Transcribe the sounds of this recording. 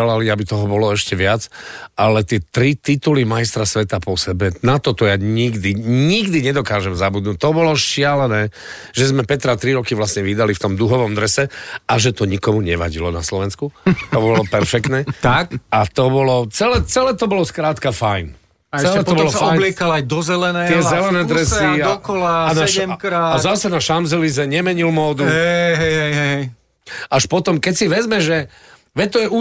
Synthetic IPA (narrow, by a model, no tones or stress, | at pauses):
ɛlaliabit̪ɔɦɔbɔlɔɛʃcɛʋɪad͡zʔalɛt̪ɪɛt̪ɾit̪it̪ulimajst̪ɾasʋɛt̪apɔsɛbɛnat̪ɔt̪ɔjaːɲiɡd̪iɲiɡd̪iɲɛd̪ɔkaːʒɛmzabud̪nuːc̚t̪ɔbɔlɔʃɪalɛnɛː | ʒɛzmɛpɛt̪ɾat̪ɾiɾɔkiʋlasɲɛʋid̪alift̪ɔmd̪uɦɔʋɔmd̪ɾɛsɛaʒɛt̪ɔɲikɔmuɲɛʋaɟilɔnaslɔʋɛnskut̪ɔbɔlɔpɛɾfɛk̚t̪nɛːt̪akat̪ɔbɔlɔt͡sɛlɛːt͡sɛlɛːt̪ɔbɔlɔskɾaːt̪kafajn | t͡sɛlɛt̪ɔbɔlɔsafɔblɪɛkalajd̪ɔzɛlɛnɛt̪ɪɛzɛlɛnɛːd̪ɾɛsid̪ɔkɔlaanaɛɛmkɾaːazasɛnaʃamzɛlizɛɲɛmɛɲilmɔːd̪uɦɛjɦɛjɦɛjɦɛjɦɛj | aʃpɔt̪ɔmkɛcsiʋɛzmɛʒɛ | ʋɛt̪ɔjɛu